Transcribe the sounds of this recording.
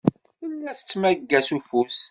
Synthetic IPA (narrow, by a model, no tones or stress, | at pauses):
ilːæθə̥t͡sːmæɡːæsufus